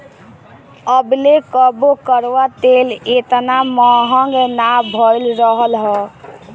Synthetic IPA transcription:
əblekəbokəɾʋat̪elet̪namɔɦəŋɡnabʱɔjlɾəɦəlɦɛ

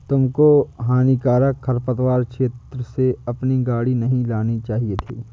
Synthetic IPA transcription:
t̪ʊmkoɦaːnikaːɾəkkʰːɐɾpət̪waːɾkʃeːt̪ɾəseɐpniɡaːɽinɐɦĩlaːnit͡ʃaːɦiet̪ʰḛː

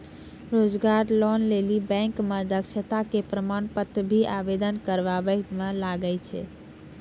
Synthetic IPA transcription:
ɾod͡ʒɡaɾlɔnlelibɛ̃ŋkmed̪əkʃʰət̪akepɾəmanpət̪ːbʱiʔabed̪ənkəɾbabəmelaɡət͡ʃʰɛ̰

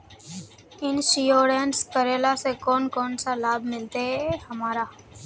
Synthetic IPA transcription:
ɪnʃijoːɾeːnskəɾeːlaːsekoːnkoːnsalaːbmɪlt̪eɦɛhəmaːɾaː

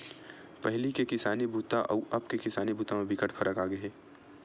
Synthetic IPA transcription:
pɛɦlikekɪsaːnibʱuːt̪aʔɐbkekɪsaːnibuːt̪ãmẽbʱɪkəʈfʰɐɾʔəkaːɡɐɦɛː

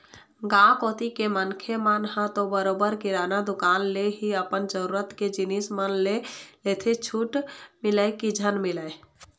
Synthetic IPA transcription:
ɡãkoːt̪ikemənkʰemənɦə̃t̪obəɾoːbəɾkiɾaːnad̪ʊkaːnleɦiəpənd͡ʒəɾuːɾət̪ked͡ʒinismənlelet̪ʰet͡ʃʰuːʈmɪləekid͡ʒʱənmɪləe

